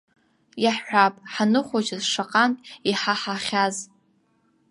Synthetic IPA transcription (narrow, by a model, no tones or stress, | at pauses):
jaħħʷᶣapʼħanɨχʷad͡ʒazʂaqʼantʼiħaħaχʲaz